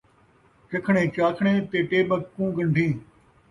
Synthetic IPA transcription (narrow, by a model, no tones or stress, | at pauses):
t͡ʃɐkʰɳẽːt͡ʃaːkʰɳẽːt̪eːʈeːɓəkːũːɡə̃ɳɖʱĩː